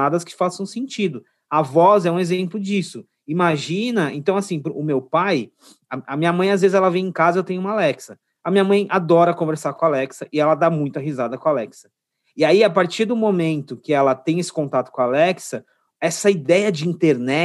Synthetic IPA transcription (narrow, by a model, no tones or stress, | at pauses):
ad̪ɐskɪ̥fasɐ̃w̃sẽnt͡ʃid̪ʊ | ɐvɔzɛũezẽmplʊd͡ʒisʊ | imaʒĩnɐḛ̃nt̪ɐ̃w̃asĩpɾʊmewpaj | ɐɐmĩɲɐmɐ̃j̃azvezɪzɛlɐvẽj̃ẽkazɐewt̪ẽjʊũmɐalɛksɐ | ɐmiɲɐmɐ̃j̃ʔad̪ɔɾɐkõveɾsaɾkõalɛksɐʔɪɛlɐd̪amũj̃t̪ɐɦizad̪ɐkõalɛksɐ | ɪaiapaɾt͡ʃiɾd̪ʊmomẽnt̪ʊkɪɛlɐt̪ẽj̃esɪ̥kõnt̪at̪ʊ̥kõalɛksɐ | ɛsɐid̪ɛjɐd͡ʒɪĩnt̪eɾnɛ